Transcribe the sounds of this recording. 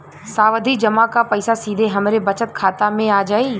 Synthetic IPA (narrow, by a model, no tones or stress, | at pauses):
saːʋəd̪ʱid͡ʒɐmakapɐɪsasiːd̪ʱeɦɐmɾebɐt͡ʃət̪kʰaːt̪amẽaːd͡ʒaːiː